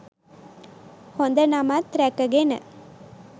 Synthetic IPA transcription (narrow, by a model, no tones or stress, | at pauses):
hɔnd̪ɐnamat̪ɾekːɐɡenɐ̰